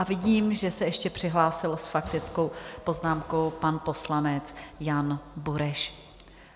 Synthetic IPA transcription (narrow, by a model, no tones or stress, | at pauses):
ʔavɪɟiːmʒɛsɛɛʃcɛpr̝̥ɪɦlaːsɪlsfakt̪ɪt͡sko̞wpo̞znaːmko̞wpanpo̞slanɛt͡sjanbuɾɛʃ